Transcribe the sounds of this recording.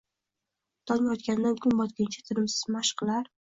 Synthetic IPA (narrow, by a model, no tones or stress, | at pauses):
t̪ʰɒnajɒt̪̚kʲand̪ankʲʰʊnbɒt̪kʲɪnt͡ʃʰḁt̪ʰɪɾɪmsɪ̥zmaʃqʰɨlˠaɾ